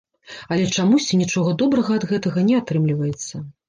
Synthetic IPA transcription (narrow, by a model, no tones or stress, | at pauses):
ɐlʲɛt͡ʂamusʲt͡sʲinʲit͡ʂɔɣɐd̪ɔbɾɐɣɐːd̪ɣɛt̪ɐɣɐnʲɛat̪ɾɨmlʲivɐjɛt̪sːɐ